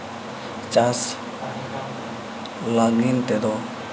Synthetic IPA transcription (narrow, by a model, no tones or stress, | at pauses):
t͡ʃas | laɡint̪ed̪o